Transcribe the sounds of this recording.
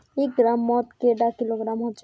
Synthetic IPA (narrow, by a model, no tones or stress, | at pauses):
ekɡɾamːɔt̪keɖakiloɡɾamɦot͡ʃʰ